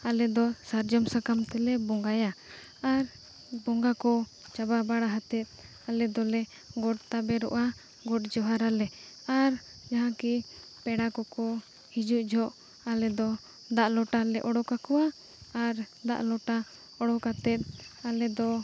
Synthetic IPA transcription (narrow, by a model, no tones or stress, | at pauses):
alɛd̪ɔsaɾd͡ʒɔmsakamt̪ɛlɛbɔŋɡaja | aɾ | bɔŋɡakɔ | t͡ʃababaɽaɦat̪ɛt̪̚ˀ | alɛd̪ɔlɛ | ɡɔʈt̪abɛɾɔ̰ʔa | ɡɔʈd͡ʒɔɦaɾalɛ | aɾ | d͡ʒaɦãki | pɛɽakɔkɔ | hid͡ʒuʔd͡ʒʱɔʔ | alɛd̪ɔ | d̪aʔlɔʈalɛʔɔɽɔkakɔwaː | ɾd̪a̰ʔlɔʈa | ɔɽɔkat̪ɛt̪̚alɛd̪ɔ